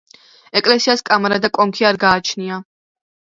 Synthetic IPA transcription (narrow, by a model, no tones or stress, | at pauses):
ɛkʼlɛsiaskʼamaɾad̪akʼɔŋkʰiaɾɡaːt͡ʃʰnia